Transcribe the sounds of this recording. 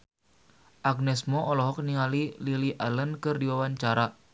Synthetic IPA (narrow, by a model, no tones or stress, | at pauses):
ʔaɡ̚nɛsmɔʔɔlɔɦɔk̚niŋalililiʔalənkɨrdiwawaɲt͡ʃaɾa